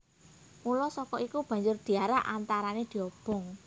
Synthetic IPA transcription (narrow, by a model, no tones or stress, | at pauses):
mulɔsɔkɔikub̥ä̤ɲd͡ʒʊrd̪̥i̤aɾaʔa̰nt̪aɾaned̪̥i̤ɔb̥ɔ̤ŋ